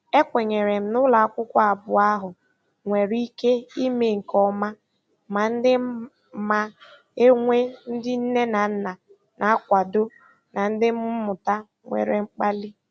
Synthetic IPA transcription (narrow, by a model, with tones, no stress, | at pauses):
e˦kʷe˨ɲe˨ɾe˨m̩˨nʊ˦la˨a˦˨kʷʊ˦kʷa˦a˨bʊ˨a˦ɦʊ˨ | ŋʷe˨ɾi˦ke˦i˦me˨ŋ̩˨kɔ˦ma˦ | ma˨n̩˦dɪ˦ | ma˨ | e˦ŋʷe˦n̩˦dɪ˦n̩˦ne˦na˨n̩˦na˨ | nʔa˨a˦kʷa˨do˦ | na˨n̩˦dɪ˦m̩˦mʊ˨ta˦ | ŋʷḛ˨ɾḛ˨ŋ͡m̩˦k͡pa˦li˦